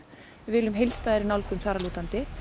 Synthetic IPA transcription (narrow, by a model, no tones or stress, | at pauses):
vɪlʏmɦejlst̪aːðɛɾɪnawlkʏmθaːɾaluːt̪ant̪ɪ